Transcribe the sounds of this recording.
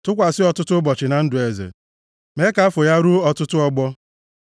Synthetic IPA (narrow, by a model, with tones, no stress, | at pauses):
tʊ˦kʷa˨sɪ˦ɔ˨tʊ˦tʊ˦bɔ˨t͡ʃɪ˨na˨n̩˦dʊ˨e˨zḛ˨ | me˦ka˦a˦fo˨ja˦ɾu˦ɔ˦tʊ˦tʊ˦ɔ˦ɡ͡bɔ˦